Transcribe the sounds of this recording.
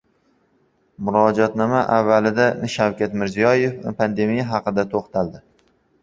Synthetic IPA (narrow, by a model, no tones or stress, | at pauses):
mʊɾɒd͡ʒɒt̪nɒmaʔavːalɪd̪anɪʃawkʲat̪mɪɾzijɒje̞fpʰand̪e̞mijaɦɑqɨd̪at̪ʰoχt̪ʰald̪ɪ